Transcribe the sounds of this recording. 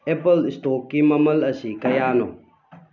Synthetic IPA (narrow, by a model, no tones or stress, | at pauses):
epɐlistɔkːimɐmɐlɐsikɐjano̰